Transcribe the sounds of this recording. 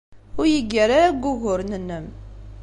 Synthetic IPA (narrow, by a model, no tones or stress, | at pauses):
ʊɾjəɡːəɾaæɡːʊɣʊɾnənːəm